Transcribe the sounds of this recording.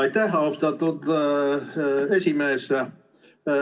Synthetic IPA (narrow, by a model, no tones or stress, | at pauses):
ɑjt̪æhost̪ɑt̪ːut̪ | esʲimeːs